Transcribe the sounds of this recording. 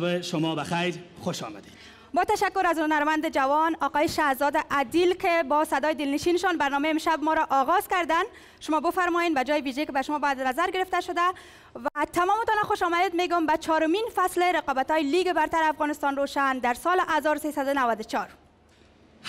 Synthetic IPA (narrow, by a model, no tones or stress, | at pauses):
bɪʃʊmɔbaxajɾχʊʃɔ̰ma̰d̪ed̪ | bɔt̪aʃakːʊɾazhʊnaɾmand̪ɪd͡ʒawɔnɒqɔjɪʃahzɔd̪ɪʔad̪ilkɪbɔsad̪ɒjɪd̪ɪlnɪʃinɪʃɔnbaɾnɔmeɪmʃabmɔɾaʔɔɣɔz̥kaɾd̪an | ʃʊmɔbʊfaɾmɔjenbad͡ʒɔjɪbid͡ʒekɪbaʃʊmɔbɔjad̪nazaɾɡɪɾɪft̪aʃʊd̪a | vat̪amɔmɪt̪ɔnaxʊʃɔmad̪ed̪meɡʊmbat͡ʃʰɔɾʊminfaslɪɾɪqɒbat̪ɔjɪliɡɪbaɾt̪aɾɪafɣɔnɪst̪ɔnɾoʃand̪aɾsɔlɪʔazɔɾsesad̪ʊnawad̪ʊt͡ʃʰɔɾ | h